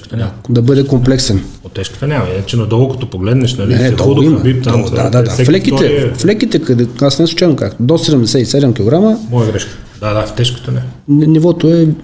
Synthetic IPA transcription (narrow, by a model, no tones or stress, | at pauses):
ɛkt̪nad̪ɐbɤd̪ɛkomplɛksɛn | ot̪ːɛʃkə̥t̪ənʲamit͡ʃɛnɐd̪ɔɡokɐt̪ɔpoɡlɛd̪nɛʃnɐlinɛd̪ɔɔɡ̪oimɐbip̚t̪ad̪a̰d̪ad̪aflɛkit̪ɛflɛkit̪ɛkɐd̪ɛasnɛsʊ̥t͡ʃɛvnmka̰kd̪ɔssɛd̪ɛmd̪ɛsɛisɛd̪ɛmkʲiloɡɾaməmɔjəɡɾɛʃkə̥d̪ad̪aft̪ɛʃkə̥t̪ənɛnɛnivɔt̪oɛ